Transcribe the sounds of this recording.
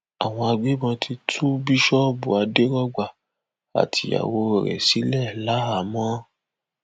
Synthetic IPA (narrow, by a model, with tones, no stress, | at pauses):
a˨w̃ɔ̃˧a˧ɡ͡bi˦bɔ̃˧tʰi˧tʰu˦bi˦ʃɔ˦bu˨a˧de˦ɾɔ˦ɡ͡ba˦˨ | a̰˨tʰi˧˦a̰˨wo˧˨ɾɛ̰˨si˨˦lɛ˦˨la˨˦ɦa˨˦mɔ̃˦